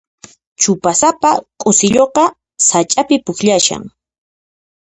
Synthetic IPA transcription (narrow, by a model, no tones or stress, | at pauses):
t͡ʃʊpasapakʼʊsɪʎoqɑ | sat͡ʃʼapɪpʊxʎaʃa̰ŋ